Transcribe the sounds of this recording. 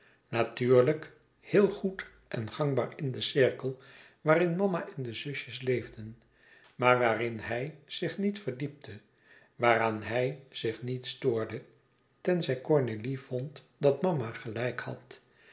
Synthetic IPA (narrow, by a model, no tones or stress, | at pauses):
natyːɹlək | hɪːlˠχut | ʔɛ̰nχɑŋba̰ːɹɪndəsɪɹkəlˠ | ʋaːrɪnmɑmaʔɛndəzɵʃjəslejvdən | maːɹʋaːrɪnɦɛjz̥ɪχnitfəɹdip̚tʰə | ʋaːraːnɦɛjz̥ɪχnitstoːɹdə | tɛnzɛjkɔɹnelivɔnt | dɑtmɑmaχəlɛjkhɑ̰t